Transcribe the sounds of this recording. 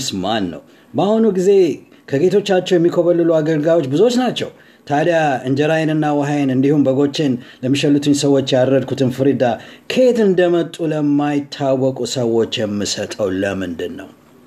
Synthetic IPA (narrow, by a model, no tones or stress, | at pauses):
smanːə̰w | bəahunuɡize̞ | kʰəɡe̞t̪ʰo̞t͡ʃːat͡ʃːɛwjɛmːikʰoβəlːɨluaɡəlɡawo̞t͡ʃːbɨzo̞t͡ʃːnat͡ʃːɛ̰w | t̪ʰad̪jaɨnd͡ʒɛɾajɛnɨnːawəɦajnɨnd̪ihumbəɡo̞t͡ʃːe̞nləmːiʃəlːut̪ʰɨɲsəwo̞t͡ʃːjadɾəd̪̚kʰut̪ʰɨnfɨɾid̪akʰe̞t̪ɨnd̪əmət̪ʼuləmːajɪt̪ʰːawːɔkʼusəwo̞t͡ʃːjɛmːɨsət̪ʼəwləmɨnd̪ɨnːə̰w